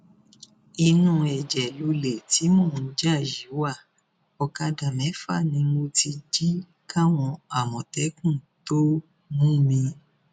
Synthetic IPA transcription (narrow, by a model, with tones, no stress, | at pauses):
i˧nũ˧˦ɛ˨d͡ʒɛ˨lo˧le˨ti˨˦mɔ̃˦˨n̩˨˦d͡ʒa˦˨ji˨˦wa˦˨ | ɔ˧ka˧da˨mɛ̃˨˦fa̰˦˨nĩ˧mo˧ti˧d͡ʒi˦ | ka˦w̃ɔ̃˧a˨mɔ̃˨tɛ˨˦kũ˦˨ | to˦ | mũ˦˨mĩ˧